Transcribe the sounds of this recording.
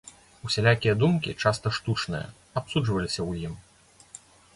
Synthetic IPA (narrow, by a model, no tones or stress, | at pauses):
usʲalʲakʲijɐd̪umkʲḭt͡ʂast̪ɐʂt̪ut͡ʂnɨ̰jɐ̰ | apsuʐvɐlʲisʲɐwjim